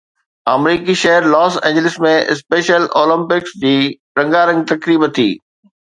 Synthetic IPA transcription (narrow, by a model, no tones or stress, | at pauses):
aːmɾiːkiʃɐɦəɾlɔːsḛ̃ːɲd͡ʑɪlɪsmẽɪ̰speːʃəloːlə̃mpɪksd͡ʑiː | ɾɐ̃ŋɡaɾɐ̃ŋɡ̚t̪ɐkɾiːbt̪ʰḭː